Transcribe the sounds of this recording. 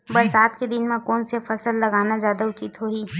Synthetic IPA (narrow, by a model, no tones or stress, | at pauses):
bəɾsaːt̪ked̪ɪnmẽkɔːnsefʰəsəlːəɡaːnad͡ʒjaːd̪aʊt͡ʃɪt̪ɦoiː